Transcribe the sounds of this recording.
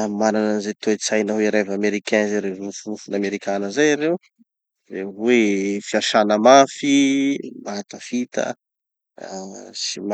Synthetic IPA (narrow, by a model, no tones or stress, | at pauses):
amanananizet̪oet͡sajnəɦeɾevameɾikɛnzeɾerufuufunameɾikʰanəzajaɾew | rewefiaʃanəmafimat̪əfit̪ə̰ | sim